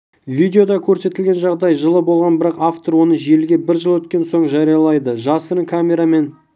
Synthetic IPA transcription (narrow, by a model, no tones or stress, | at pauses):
vʲid̪ʲeo̞d̪ɑkʲʰɵɾse̞t̪ɪlɡʲe̞nʒɑʁd̪ɑjʒəlˠəbo̞lˠʁɑnbɪɾɑqaft̪oɾwo̞nəʒielɡʲe̞bɪɾʒəlˠwɵt̪̚kʲe̞nso̞ɴʒɑɾijɑlˠɑjd̪əʒɑsəɾŋkʰamʲe̞ɾame̞n